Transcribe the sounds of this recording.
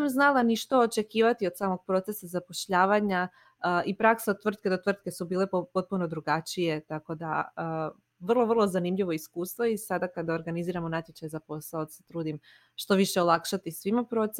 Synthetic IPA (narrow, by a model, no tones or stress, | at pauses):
amznalˠaniʃt̪o̞ot͡ʃe̞kiːʋat̪io̞d̪saːmo̞ɡ̥̚pɾo̞t̪se̞sazapo̞ʃʎaːʋaɲa | ipɾaksaot̪ʋr̩t̪̚ked̪o̞t̪ʋr̩t̪̚ke̞subiːle̞opo̞t̪̚punod̪ɾuɡat͡ʃije̞t̪ako̞d̪a̰ə | ʋr̩lˠo̞ʋr̩lˠozanimʎiʋo̞iskuːst̪ʋoisad̪akad̪aoɾɡaniziːɾamonat̪ʲjet͡ʃajzapo̞saod̪aset̪ɾuːd̪im | ʃt̪o̞ʋiʃe̞olˠakʃat̪isʋimapɾo̞t̪s